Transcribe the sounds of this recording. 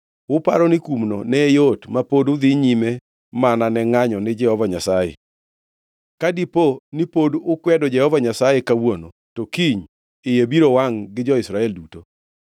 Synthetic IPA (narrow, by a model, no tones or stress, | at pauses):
wʊpaɾɔnɪkumnonɛjotmapodʊd̪ɪɲime | mananɛŋaɲɔnɪd͡ʒɛhɔvaɲasajḛ | kadiponipodʊkwɛdɔd͡ʒɛhɔvaɲasajekawono | tokiɲ | ɪjebiɾowaŋɡɪd͡ʒɔɪsɾaɛlduto